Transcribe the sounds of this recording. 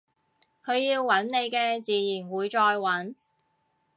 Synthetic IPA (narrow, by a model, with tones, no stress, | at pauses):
kʰɵ˨˧ɥjiː˧wːɐ˨˥nne˨˧jkɛː˧t͡siː˨jiː˨˩nwuː˨˧jt͡ʃɔː˧jwɐ˨˥n